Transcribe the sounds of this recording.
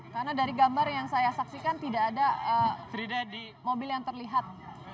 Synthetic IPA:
karnadaɾiɡambarjaŋsajasaksikant̪idaːdaəfɾidadi | mobɪljaŋt̪ərliɦat̪̚

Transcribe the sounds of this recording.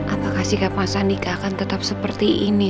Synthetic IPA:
ʔapakahsikapasanikakant̪ət̪ap̚səpərt̪iʔini

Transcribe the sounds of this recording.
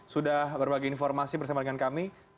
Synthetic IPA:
sudahbərbaɡiinfɔrmasibərsamadəŋankami

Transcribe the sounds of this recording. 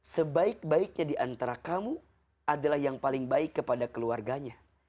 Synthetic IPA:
səbaɪk̚baɪk̚ɲadiʔant̪aɾakamu | adalahjaŋpalɪŋbaɪkːəpadakəluarɡaɲa

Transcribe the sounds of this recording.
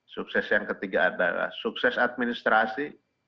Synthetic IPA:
sʊk̚sɛsjaŋkɐt̪ɪɡaʔa̰d̪a̰la̰sʊksɛsad̪̚minɪst̪ɾasi

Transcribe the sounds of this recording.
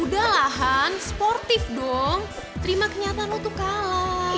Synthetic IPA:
udalaɦansə̥pɔrt̪ɪfdɔŋ | t̪əɾimakəɲat̪alot̪ukala

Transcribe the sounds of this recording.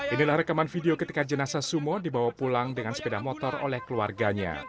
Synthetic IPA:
ʔinilahɾəkamanfideokət̪ikad͡ʒənasasumɔdibawapulaŋdəŋansə̥pedahmɔt̪ɔro̰lɛhkəlua̰rɡaɲa̰

